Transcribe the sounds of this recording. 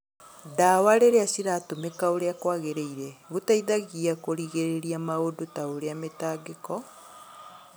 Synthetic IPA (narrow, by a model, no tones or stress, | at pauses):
daːwaɾeɾeasiɾatomekaoɾeakwaːɣeɾeiɾeɣutaiðaɣiakoɾiɣeɾeɾiamaodotaoɾeametaːɡekɔ